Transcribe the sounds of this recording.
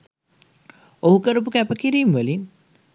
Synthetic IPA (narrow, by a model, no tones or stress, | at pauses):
oɦukɐɾup̬ukɛpɐkiɾimʋolin